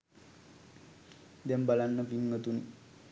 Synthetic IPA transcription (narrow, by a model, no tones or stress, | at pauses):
d̪ɛmbalanːəbinɡət̪uni